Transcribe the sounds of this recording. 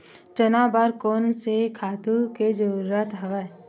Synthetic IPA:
t͡ʃənaːbaɾkoːnsekʰaːt̪uked͡ʒəɾuɾət̪ɦɐʋa

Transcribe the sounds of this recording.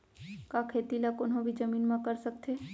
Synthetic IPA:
kakʰeːt̪ilakʊnɦõbʱid͡ʒəmiːnmãkəɾsək̚t̪ʰe

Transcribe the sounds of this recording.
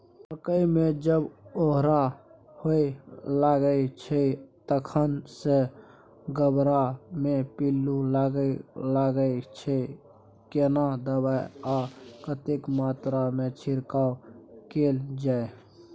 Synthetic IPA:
əɾkəimẽd͡ʒəboɦɾa | hoilaɡəit͡ʃʰət̪əkʰənse | ɡəbɾamepilːulaɡəlaɡəit͡ʃʰə | kenad̪əbajakət̪ekmaːt̪ɾamet͡ʃʰɪɾkaokeːld͡ʒaːe

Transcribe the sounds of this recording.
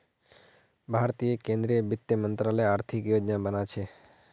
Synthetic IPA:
bʱaɾt̪ijekẽnd̪ɾiəbɪt̪ːjəmənt̪ɾaləjaːɾt̪ʰikjod͡ʒnabənat͡ʃʰe

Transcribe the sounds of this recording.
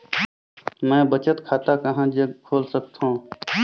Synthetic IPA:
mɛ̃ːbət͡ʃət̪kʰaːt̪akəɦãːd͡ʒəɡkʰoːlsəkt̪ɦõː

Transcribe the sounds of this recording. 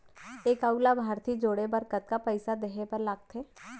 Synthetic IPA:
eːkaulabʱaːɾt̪id͡ʒoːɽebəɾkət̪kapəɪsad̪eːɦepɐɾlaːɡ̚t̪eː

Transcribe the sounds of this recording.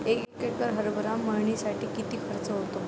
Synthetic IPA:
ekekekəɾɦəɾbʱəɾamːəɾɳisaʈiːkit̪iːkʰəɾt͡səɦot̪o

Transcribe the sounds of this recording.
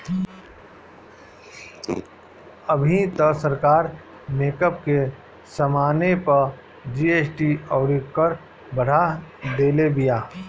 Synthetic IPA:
əbʱĩt̪əsəɾkaːɾ | meːkəpke | səmaːnepə | d͡ʒiːeːsʈiɔːɽikːəɾ | bəɽ̤ad̪eːlebijaː

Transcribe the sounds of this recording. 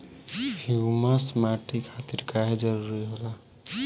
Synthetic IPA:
hʰiməsmaʈikʰat̪iɾkaɦed͡ʒəɾuɾiɦola

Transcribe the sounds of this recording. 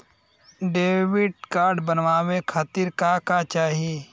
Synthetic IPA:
ɖeːwɪɖ̚kaːɾɖbənʋaːwekʰaːt̪iɾkakat͡ʃaːɦieː

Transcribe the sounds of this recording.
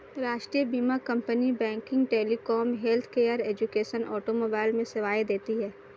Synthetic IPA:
ɾaːʃʈɾijəbiːmakɐ̃mpənibɛ̃ːŋkɪ̃ŋɡʈeːlikɔːmɦelt̪ʰkeːəɾeːd͡ʒukeːʃənʔɔ̰ːʈomoːbaːɪlmẽsɪʋaːjd̪eːt̪iɦɛː

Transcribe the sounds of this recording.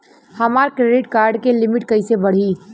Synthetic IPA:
həmaɾkɾeɖiʈkaɾɖkelimiʈkəɪsebəɽ̤i

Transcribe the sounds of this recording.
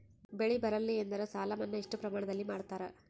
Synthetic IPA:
beɭibɐɾɐlːiend̪ɐɾesaːlɐmɐnːɐiʂʈupɾɐmaːɳɐd̪ɐlːimaːɽut̪ːaːɾe

